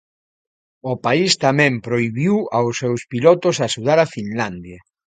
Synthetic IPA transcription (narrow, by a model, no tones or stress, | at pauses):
ʊpaist̪amɛ̃mpɾojβiwawsːɛwspilɔt̪osaʃuðaɾafinland̪ja